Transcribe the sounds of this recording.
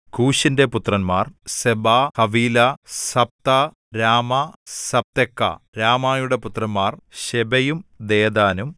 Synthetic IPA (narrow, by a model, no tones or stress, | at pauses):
kuːɕinde̞put̪rɐnmaːrsebahɐʋiːlɐsɐp̚t̪ɐ | ɾaːmɐsɐp̚t̪ekːɐ̰ɾaːmaːjuɽe̞put̪rɐnmaːrɕebɐjumd̪eːd̪aːnum